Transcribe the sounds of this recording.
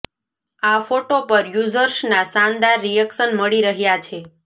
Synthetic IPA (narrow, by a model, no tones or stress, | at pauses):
afoʈopəɾjuzəɾʃnasand̪aɾːijəksənməɭiɾəɦjat͡ʃʰe